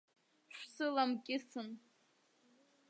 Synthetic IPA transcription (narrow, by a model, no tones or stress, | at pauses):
ʃʷsɨlamkʲʼɪsɨn